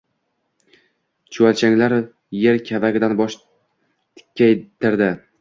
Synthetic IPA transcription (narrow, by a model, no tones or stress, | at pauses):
t͡ʃʰʊalt͡ʃʰaŋlaɾ | jeɾkʲʰavaɡʲɪd̪anbɒʃ | t̪ʰɪ̥kʲʰːajt̪ɪɾd̪ɪ